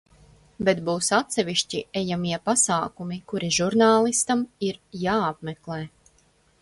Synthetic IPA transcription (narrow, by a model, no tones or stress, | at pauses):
bet̪buːsat̪sɛʋiʃt͡ʃiɛjamiɛpasaːkumikuɾiʒuɾnaːlˠist̪amiɾjaːapmeklˠeː